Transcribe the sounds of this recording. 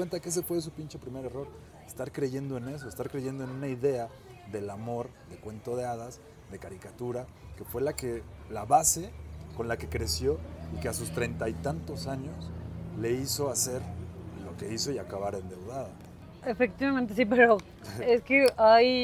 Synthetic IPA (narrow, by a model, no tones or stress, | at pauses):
went̪akees̬e̞fwes̬upint͡ʃe̞pɾime̞ɾe̞ro̞ɾ | est̪aɾkɾe̞ʝe̞nd̪o̞e̞ne̞s̬o̞est̪aɾkɾeʝe̞nd̪oenũnaiðe̞a | ðe̞lamo̞ɾðe̞kwe̞nt̪o̞ðe̞að̞as | ðe̞kaɾikat̪uɾake̞fwe̞lakelaβase̞ko̞nlake̞kɾe̞sjo̞ike̞asust̪ɾe̞jnt̪ajt̪ant̪o̞saɲo̞sle̞iso̞ase̞ɾlo̞ke̞iso̞iakaβaɾe̞nd̪e̞wðaða | efekt̪iβamẽnt̪̬esip̬eɾo | eskeaj